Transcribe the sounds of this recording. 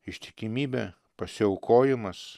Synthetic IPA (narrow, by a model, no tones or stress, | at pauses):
ɪʃʲt̪ʲɪ̥kʲɪmʲiːbʲɛ | pɐsʲɪɐʊkoːjɪmɐs